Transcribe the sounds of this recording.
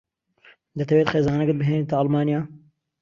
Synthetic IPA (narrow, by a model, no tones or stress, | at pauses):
d̪ɐt̪ʰɐweːt̪xeːzaːnɐkət̪̚bɨɦeːnit̪aɑlmaːnijaː